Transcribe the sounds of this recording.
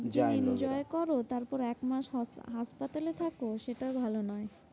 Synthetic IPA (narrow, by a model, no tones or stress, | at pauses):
d͡ʑaind͡ʑɔekɔɾot̪aɾpɔɾɛkmaʃɦaʃpat̪alet̪ʰakoʃeʈabʱalonɔe